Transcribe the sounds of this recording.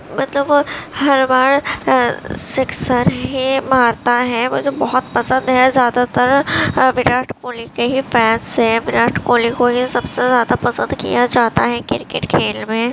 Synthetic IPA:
mɐt̪ləbhɐɾbaːɽ | sɪksəɾɦimaːɾt̪aɦɛʋod͡ʒebɐɦʊt̪pɐsə̃nd̪ɦɛzjaːd̪at̪ɐɾʋɪɾaːʈʰkoːlikeɦifɛːnsɦɛʋɪɾaːʈʰkoːlikoɦisɐbsezjaːd̪apɐsə̃nd̪kḭjad͡ʒaːt̪aɦɛkɪɾkḛʈkʰeːlmẽ

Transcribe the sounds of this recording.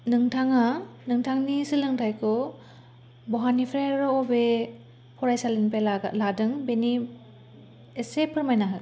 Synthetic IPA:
nɯŋtʰaŋanɯŋtʰaŋnisilɯŋtʰajkʰɔ | bɔɦanipʰɾeɾɔɔbe | pʰɔɾajsalinpealadɯŋbeni | esepʰɯɾmajnaɦɯ

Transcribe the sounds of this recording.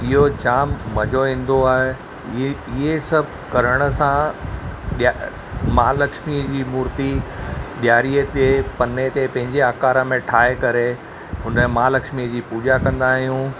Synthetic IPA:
ɪɦod͡ʑaːmːɐd͡ʑʱoĩːn̆d̪oaːɦe | ɪɦesɐbʱkɐɾəɽ̃ə̆sã | ɗa | maːlɐkʃmid͡ʑiːmuːɾt̪iɗjaːɾijət̪epɐnet̪epɐ̃ɦɪ̃ɲd͡ʑeaːkaːɾəmẽʈʰaːɦekɐɾe | ɦʊnəmãːlɐkʃmiəd͡ʑiːpuːd͡ʑakɐ̃nd̪aːɦijũ

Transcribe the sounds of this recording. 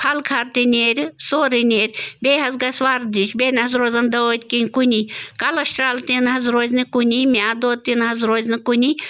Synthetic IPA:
hʰɐlkʰɐɾt̪inʲeɾʲsoːɾinʲeːɾʲbʲeːɦɐzɡɐsʲʋaːɾd̪iʃbeːnɦɐzɾoːzɐnd̪ɐoːt̪ʲkinʲkunʲikɐlɐʃʈɾaːlt̪inɦɐzɾoːzʲnɨkunʲimʲaːd̪oːt̪inɦɐzɾoːzʲnɨkunʲi

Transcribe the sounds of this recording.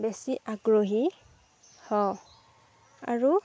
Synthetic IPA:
besiʔaɡɹoɦi | hɔ | aɹu

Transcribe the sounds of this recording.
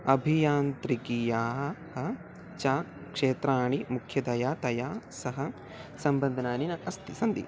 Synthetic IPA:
ɐbʱijaːnt̪ɾikijaːɦɦɐ | t͡ʃaː | kʂeːt̪ɾaːɳimukʰjɐd̪ɐjaːt̪ɐjaːsɐɦɐ | sɐmbɐnd̪ʱɐnaːninɐʔɐst̪isɐnd̪ḭ

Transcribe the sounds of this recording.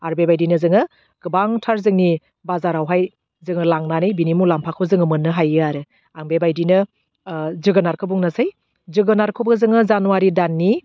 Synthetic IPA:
aɾbebajdinɯzɯŋɯ | ɡ̥ɯbaŋtʰaɾzɯŋni | bazaɾawɦaj | zɯŋɯlaŋnanɯjbinimulampʰakʰɯzɯŋɯmɯnːɯɦajɯaɾɯ | aŋbebajdinɯ | zɯɡɯnaɾkʰɯbuŋnasaj | zɯɡɯnaɾkʰɯbɯzɯŋɯzanuwaɾidanːi

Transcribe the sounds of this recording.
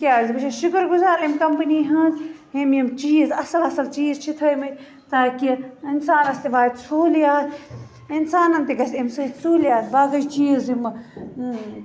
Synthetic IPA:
kʲaːzbɐt͡ʃʰaʃukəɾɡuzaːɾimkɐmpəniːɦɐ̃zimjimt͡ʃiːzɐsɐlɐsɐlt͡ʃiːzt͡ʃʰit̪ʰəːjmɐt͡ʃʲ | t̪aːkiinsaːnɐst̪iʋaːt̪sʰoːljaːt | insaːnɐnt̪eɡɐsʲimsɐisoːljaːsbaːɡɐjt͡ʃiːzim

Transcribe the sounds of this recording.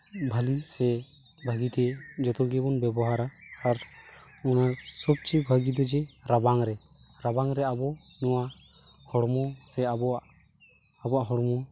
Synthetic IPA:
bʱalisɛ | bʱaɡit̪ɛd͡ʒɔt̪ɔɡɛbɔnbɛbɔɦaɾaːɾ | ɔnasɔb̚t͡ʃibʱaɡid̪ɔd͡ʒɛɾabaŋɾɛ | ɾabaŋɾɛabɔnɔwa | hɔɽmɔsɛabɔaʔ | abɔaʔɦɔɽmɔ

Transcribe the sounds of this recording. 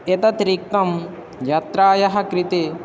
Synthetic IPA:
et̪ɐt̪ɾik̚t̪ɐm | jɐt̪ɾaːjɐɦɐkɾit̪i

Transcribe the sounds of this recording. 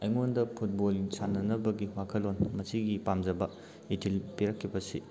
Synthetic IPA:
ɐjŋondɐpʰut̚boliŋsanːɐnɐbɐɡiwakʰɐlonmɐsiɡipamd͡ʒɐbɐ | itʰilpiɾɐkʰːibɐsḭ

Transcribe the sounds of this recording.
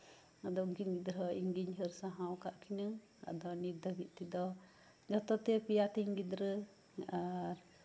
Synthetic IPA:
ad̪ɔŋɡinɡid̪ɾɔiŋɡiɲhəɾsaɦawkaʔkʰina | a̰d̪ɔniɾd̪əbit̪̚t̪id̪ɔ | d͡ʒɔt̪ɔt̪ɛpijat̪iɲɡid̪ɾə | aɾ

